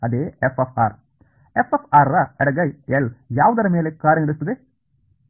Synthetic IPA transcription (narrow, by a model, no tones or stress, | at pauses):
ɐd̪eːefefa̰ːɾ | efefaːɾːaɛɽɐɡɐjeljaːʋɐd̪ɐɾɐmeːlekːaːɾjɐŋɡɐɽɯst̪ːɐd̪ðeː